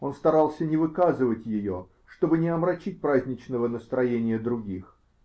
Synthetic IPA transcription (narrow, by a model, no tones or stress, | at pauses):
o̞nst̪ɐɾɑlˠsʲənʲɪvɨkazɨvətʲjɪjo | ʂt̪o̞bɨnʲɪɐmɾɐt͡ɕit̚ʲpɾazʲnʲɪt͡ɕnəvənəst̪ɾɐjenʲɪjəd̪ɾʊɡʲix